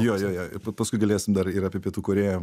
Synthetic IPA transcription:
joːjoːjoːpɐpɐskʊɪɡɐlʲeːsʲɪmd̪ɐɾɪɾɑːpʲepʲiɛt̪uːkoːɾʲeːjɛ

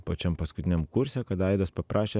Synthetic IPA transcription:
pɐt͡ʃʲɛmpɐskʊt̪ʲɪnʲɛmkʊɾʲsʲɛkɐt̪ɐɪd̪ɐspɐpɾʔɑːʃʲeː

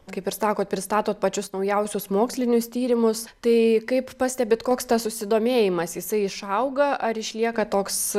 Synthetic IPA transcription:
kɐɪpɪɾsɑːkoːt̪̚pʲɾʲɪst̪ɑːt̪oːt̪̚pɐt͡ʃʲʊsnɐʊjɛʊsʲʊsmoːksʲlʲɪnʲʊst̪ʲiːɾʲɪmʊst̪ɐɪkɐɪppɑːsʲtʲɛbʲɪt̪koːkst̪ɐssʊsʲɪd̪oːmʲeːjɪmɐsjɪsɐɪɪʃɐʊɡɐɐɾɪʃʲlʲiɛkɐt̪oːks

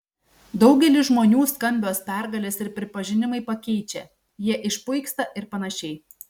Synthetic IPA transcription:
d̪ɒʊɡʲɛlʲɪʒmoːnʲuːskɐmʲbʲoːspʲæˑɾɡɐlʲeːsɪɾpʲɾʲɪpɐʒʲɪnʲɪmɐɪpɐkʲɛɪt͡ʃʲɛ | jiɛʔɪʃpʊɪkst̪ɐʔɪɾpɐnɐʃʲɛɪ

